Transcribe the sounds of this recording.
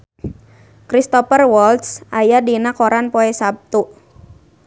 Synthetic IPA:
kɾist̪ɔpərwɔlt̪sʔajadinakɔɾanpɔɛsab̚t̪u

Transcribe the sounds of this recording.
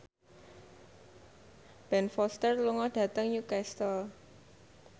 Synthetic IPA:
b̥ɛnfɔst̪ərluŋɔɖ̥ä̤t̪əŋɲukɛst̪ɔl

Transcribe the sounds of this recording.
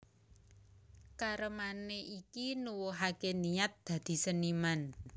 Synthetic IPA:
kaɾəmaneʔikinuwoɦakeniat̪̚d̪̥ä̤d̪̥i̤səniman

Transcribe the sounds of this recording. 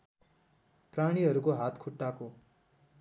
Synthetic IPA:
praɽ̃iɦʌɾukoɦat̪kʰuʈːako

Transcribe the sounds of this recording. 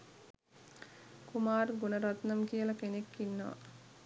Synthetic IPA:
kumaːrɡunəɾat̪nɐmkijəlɐkenekːinːəʋa̰

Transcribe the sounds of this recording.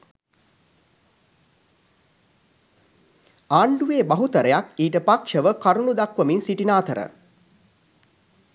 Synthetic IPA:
aːɳɖuʋeːbaɦut̪əɾəjakiːʈəpakʂəʋəkaɾunud̪akʋəminsiʈinaːt̪əɾə̰

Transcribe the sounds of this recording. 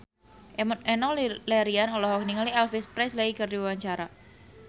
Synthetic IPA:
ʔʔɛnɔlɛɾianɔlɔɦɔk̚niŋaliɛlfispɾɛslaikɨrdiwewaɲt͡ʃaɾa

